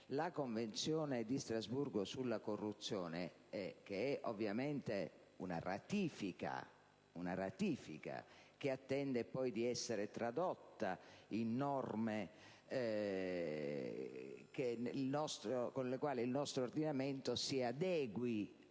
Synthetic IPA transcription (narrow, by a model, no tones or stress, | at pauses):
lakoɱvent̪sjɔːned̪ist̪ɾazburɡosulːakorːut̪sːjɔːne | ɛkeɛʔovːjamɛnt̪e | una̰ra̰t̪iːfika̰ | unarat̪iːfḭka̰k̟eat̪ːɛnd̪epɔjd̪iɛsːeɾet̪ɾad̪ɔt̪ːainːɔrme | kelnɔst̪ɾokonlekwaːliilnɔst̪ɾoord̪inamɛnt̪osiad̪ɛːɡwi